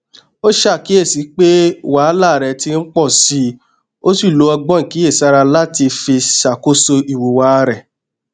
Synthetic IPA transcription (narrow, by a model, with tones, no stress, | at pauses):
o˦ʃa˦˨ki˨˦e˦˨si˨˦k͡pe˦wa˨˦la˦˨ɾɛ˨˧ti˧n̩˦k͡pɔ˦˨si˧˦ | o˦si˦˨lo˨˧˦ɔ˧ɡ͡bɔ̃˦ŋ̩˨ki˨˦e˦˨sa˧ɾa˧la˦ti˧fi˧sa˨ko˦so˧ʔi˨wo˨wa˨˦˧ɾɛ˨